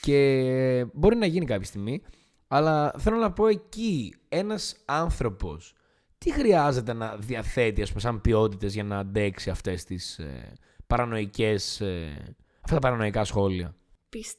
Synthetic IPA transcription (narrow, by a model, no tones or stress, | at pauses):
ce̞ | bo̞ɾinɐʝinikɐpçi̥st̪iɣmi | ɐlɐθe̞lo̞nɐpo̞e̞ci | e̞nɐsɐnθɾo̞po̞s | t̪ixɾiɐze̞t̪e̞nɐðiɐθe̞t̪iɐspumesɐmbio̞t̪it̪e̞zʝɐnɐːnd̪e̞ksiɐft̪e̞st̪is | pɐɾɐno̞ice̞se | ɐft̪ɐt̪ɐpɐɾɐno̞ikɐsxo̞liɐ̰ | pis